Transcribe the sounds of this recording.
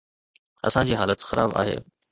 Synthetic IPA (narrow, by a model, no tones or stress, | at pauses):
ɐ̰sãd͡ʑiːɦaːlət̪xɐɾa̰ːba̰ːɦḛː